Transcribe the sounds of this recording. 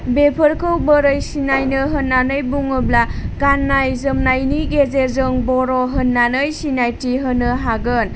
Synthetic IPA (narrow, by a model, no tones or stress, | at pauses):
bepʰəɾkɯwbəɾəjsinajnɯɦənːanɯjbuŋɯblaɡ̥anːajzəmnajniɡezezɯŋbɔɾɔɦənːanɯjsinajtiɦɯnːɯɦaɡɯn